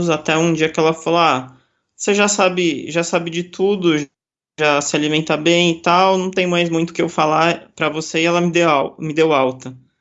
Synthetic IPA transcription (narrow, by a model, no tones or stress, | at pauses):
zat̪ɛũd͡ʒiɐkɪɛlɐfola | oseʒasabɪʒasabɪd͡ʒɪt̪ʰud̪ʊʒ | ʒasɪalimẽnt̪abẽj̃ɪt̪awnɐ̃w̃t̪ẽj̃majzmũj̃t̪ʊkɪewfalapɾɐvoseɛlɐmɪd̪eamɪd̪ewawt̪ɐ